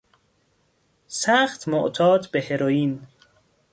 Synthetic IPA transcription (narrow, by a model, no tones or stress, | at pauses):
sæːxt̪ʰmoʔt̪ʰɒːd̪beheɾoːjiːn